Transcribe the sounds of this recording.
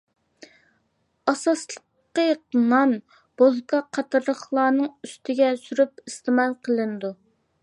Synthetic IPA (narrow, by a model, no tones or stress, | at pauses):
ɑsɑslˠəqːəqnɑn | b̥ozkʰɑqʰɑt̪ɾəχlˠɑːnɨŋyst̪ʰɪɡʲɛsyɾypist̪ɨmɑlˠqʰəlˠɨnd̪u